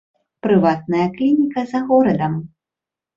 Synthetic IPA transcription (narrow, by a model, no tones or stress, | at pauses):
pɾɨvat̪̚nɐjɐklʲinʲikɐzɐɣɔɾɐd̪ɐm